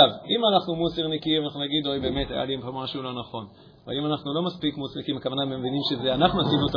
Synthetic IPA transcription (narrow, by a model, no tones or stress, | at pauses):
avimanaχnumuseʁnikimanaχnunaɡid̪o̞jbeːme̞ta̰ja̰liempomaʃulo̞naχo̞n | va̰limanaχnulo̞maspikmusnekimakavanamevinimʃezeanaχnunasimot̪